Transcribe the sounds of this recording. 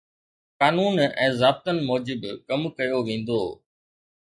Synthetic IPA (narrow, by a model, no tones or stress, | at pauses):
kaːnuːnɛ̃ːzaːb̚t̪ənɪ̆mɔːd͡ʑɪbkɐmkɐjoʋẽːn̆d̪oː